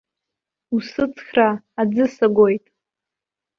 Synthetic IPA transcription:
usɨt͡sʰʼχraː | d͡zɨsaɡʷojtʼ

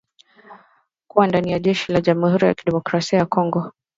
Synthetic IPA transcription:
kuwandanijaʄɛʃilaʄamuhuɾija̰kiɗɛmɔkɾasiajakɔŋɡɔ

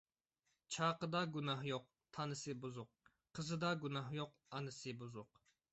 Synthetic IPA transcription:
t͡ʃʰɑːqəd̪ɑɡunɑhjoq̚ | t̪ʰɑnɨsɨbuzʊq̚ | qʰəzɨd̪ɑɡunɑhjoq | ɑnɨsɨbuzʊq

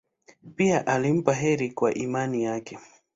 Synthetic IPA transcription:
piaʔalim̩paɦɛɾikwaʔimanijakɛ

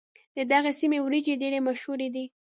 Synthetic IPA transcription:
d̪əd̪aɣesimewɾid͡ʒeɖeɽemaʃhuɾed̪i

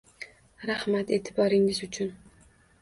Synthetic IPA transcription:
ɾahmat̪e̞t̪ʰɪbɒɾɪŋɪzʊt͡ʃʰʊn

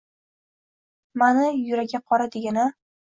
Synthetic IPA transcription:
manɪjʊɾaɡʲaqʰɒɾad̪eɡʲana

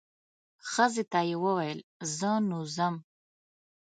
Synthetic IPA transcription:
xəzet̪ajewəwajəlzənuzəm

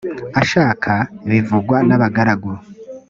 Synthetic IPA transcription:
aʃaːkʰaβivuɡwanaβaɡaɾaɡuɾ

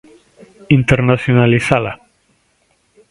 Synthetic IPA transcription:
int̪eɾnasjonalisala

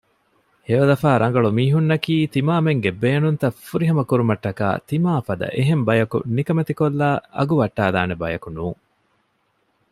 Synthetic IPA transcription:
heʋɐlɐfaːɾɐŋ̆ɡɐɭumiːɦunːɐkiːt̪imaːmeŋɡebeːnunt̪ɐfuɾiɦɐmɐkuɾumɐʈːɐka̰ːt̪imaːfɐd̪ɐ̰ʔeɦembɐjɐkṵnikɐmet̪ikolːaːʔɐ̰ɡuʋɐʈːaːd̪a̰ːnebɐjɐkunuːŋ

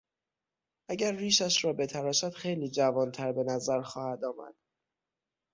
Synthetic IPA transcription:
ʔæɟæɾːiːʃæʃɾɒːbe̞t̪ʰæɾɒːʃæd̪̥xe̞jliːd͡ʒævɒːnt̪ʰæɾbe̞næzæɾxɒːhæd̪ɒːmæ̰d̪̥

